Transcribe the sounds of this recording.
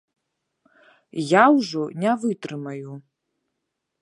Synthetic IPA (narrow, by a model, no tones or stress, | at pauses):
jawʒʷonʲavɨtʼrɨmaju